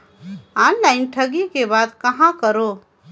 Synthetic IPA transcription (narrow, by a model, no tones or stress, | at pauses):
aːnlaɪnʈʰɐɡikebaːd̪kɐɦãkəɾo